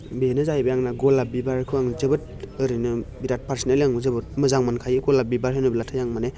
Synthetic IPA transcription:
benɯzajbajaŋnaɡɔlabibaɾkʰɯaŋzɯbɯt̚ | ɯɾinɯbiɾat̚paɾsineljaŋzɯbɯt̚mɯzaŋmankʰajiɡolabibaɾɦajnɯbilatʰajaŋmane

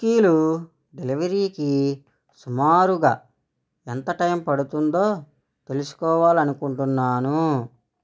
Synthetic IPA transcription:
kiːlu | ɖe̞liʋɐɾiːki | sumaːɾuɡaː | ent̪ɐʈɐjmpɐɽut̪und̪o̞ː | t̪e̞lusu̥kɔːʋaːlɐnukuɳʈunːaːnu

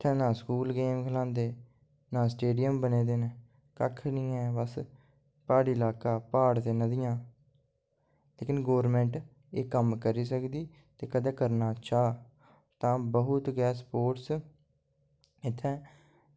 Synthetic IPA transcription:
ɪt̪ʰːɛ̃ːnãːskuːlɡeːmkʰəlãːnd̪eː | nãːsʈeːɖɪjəmbəneːd̪eːne | kə̰kʰnĩːɛ̃ːbəs | paːɽiːlaːkaːpaːɽt̪eːnəd̪ɪjãː | leːkɪnɡoːɾmɛ̃ːɳʈ | eːkəmkəɾiːsəkd̪iː | t̪eːkəd̪ɛ̃ːkəɾnaːt͡ʃaː | t̪ãːbəɦʊt̪ɡɛːspoːʈs | ɪt̪ʰːɛ̃ː

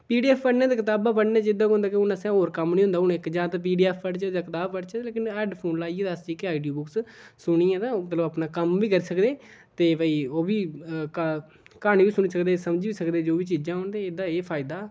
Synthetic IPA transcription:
piːɖiːɛːpʰpəɽnẽːt̪eːkɪt̪aːbãːpəɽneːt͡ʃɪd̪ãːkɦʊ̃nd̪aːkeʊnəsɛ̃ːɦoːɾkəmnĩːɦʊ̃nd̪aːɦʊnːkd͡ʒãːt̪ːp̬iːɖiːɛːpʰpəɽt͡ʃːd̪aːkɪt̪aːbpəɽt͡ʃɛleːkɪnɛːɖpʰoːnlaːieːd̪ast͡ʃiːkeaːiɖijoːbʊkssʊɳ̃iːãːnãːmət̪ləbəpnaːkəmʋiːkəɾiːsəkd̪eː | t̪eːbəiːoːbiːk | kaːniːʋiːsʊɳiːsəkd̪eːsəmd͡ʒiːʋiːsəkd̪eːd͡ʒoːʋiːt͡ʃiːd͡ʒãːɦʊɳd̪eːed̪aːeːpʰaːɪd̪aː

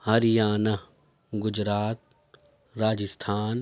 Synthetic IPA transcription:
hɐɾijaːnɐ | ɡʊd͡ʒɾaːt̪̚ | ɾaːd͡ʒəst̪ʰaːn

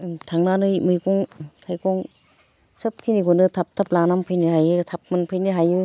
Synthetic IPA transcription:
tʰaŋnanɯjmɯjkɔŋtʰajkɔŋ | sɯp̚kʰiniɡɔnɯtʰap̚tʰap̚lanampʰɯjnihajɯtʰap̚mɯnpʰɯjniɦajɯ

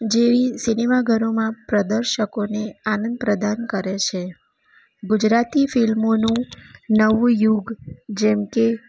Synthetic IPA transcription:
d͡ʒeʋisinemaɡʱəɾomãpɾəd̪əɾʃəkoneanə̃nd̪̚pɾəd̪ʱankəɾet͡ʃʰe | ɡud͡ʒɾat̪ifilmonũnəʋũjuɡd͡ʒɛmke

